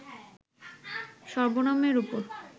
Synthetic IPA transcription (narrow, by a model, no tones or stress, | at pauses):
ʃɔɾbonameɾupoɾ